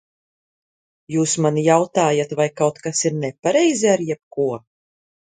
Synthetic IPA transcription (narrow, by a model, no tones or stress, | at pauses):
juːsmanijawt̪aːjat̪vajkawt̪kasiɾnɛpaɾɛjziaɾjɛp̚kuɔ